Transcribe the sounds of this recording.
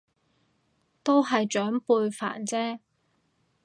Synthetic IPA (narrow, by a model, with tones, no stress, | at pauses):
t̪o˥wɦɐ˨jt͡ʃœː˨˥ŋpuː˧jfa̰ː˨˩nt͡sɛː˥